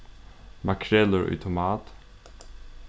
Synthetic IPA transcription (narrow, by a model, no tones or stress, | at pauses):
makʰɾɛləɹʏ̰t̪ʰʊmɑːt̪